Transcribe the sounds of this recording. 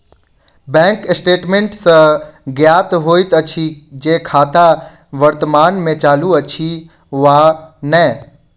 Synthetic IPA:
bɛ̃ːŋkɪsʈeːʈmẽɳʈsə̃ɡjaːt̪ɦoːit̪ət͡ʃʰid͡ʒekʰaːt̪a | ʋəɾt̪əmaːnmẽt͡ʃaːluət͡ʃʰi | ʋanəɛ

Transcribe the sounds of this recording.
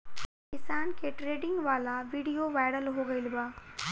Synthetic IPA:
kɪsaːnkʰeʈɾeːɖɪ̃ŋɡʋaːlaʋiːɽijoʋaːjɪɽəlɦoɡɐilbaː

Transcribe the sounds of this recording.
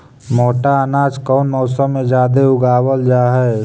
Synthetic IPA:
moːʈaənaːd͡ʒkɔːnmɔːsəmːẽd͡ʒaːd̪eʊɡaːwəld͡ʒaːɦɛː

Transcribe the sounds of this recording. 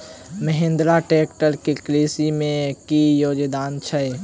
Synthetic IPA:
məɦẽnd̪ɾaʈeːkʈəlkikɾeːsimẽkijoːd͡ʒd̪aːnt͡ʃʰəj

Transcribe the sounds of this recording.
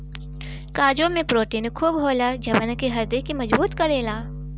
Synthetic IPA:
kaːd͡ʒõmẽpɾoːʈiːnkʰuːbɦoːlad͡ʒɐbənkeɦɐɾd̪ekimɐd͡ʒbuːt̪kɐɾeːlaː

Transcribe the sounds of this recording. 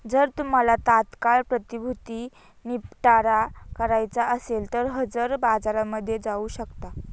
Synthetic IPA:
d͡zəɾt̪um̤alat̪at̪kaɭpɾət̪ibʱut̪iː | nipʈaɾakəɾajt͡saəselt̪əɾɦəd͡zəɾbad͡zaɾaməd̪ʱːjed͡zauːɕəkt̪a

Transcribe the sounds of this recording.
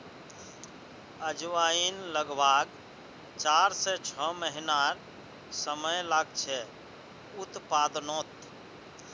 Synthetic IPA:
əd͡ʒʋainləɡbaɡ | t͡ʃaɾsɛt͡ʃʰəməɦinaɾ | səməjlaɡt͡ʃʰɛ | ut̪pad̪not̪

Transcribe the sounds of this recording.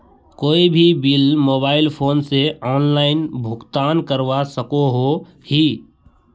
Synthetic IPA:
koːibʱibɪlmoːbaːɪlpʰoːnseɔːnlaːɪnbʱʊkt̪aːnkəɾʋasəkoɦo | hi

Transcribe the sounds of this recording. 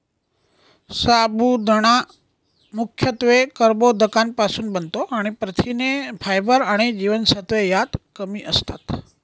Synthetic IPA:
sabʱud̪ʱəɽ̃a | mʊkʰjət̪ʋekəɾbod̪əkanpasunbənt̪oʔaɽ̃epɾət̪ʰinepʰajbəɾaɽ̃ed͡ʒiʋənsət̪ʋejat̪kəmiʔəst̪a̰t̪

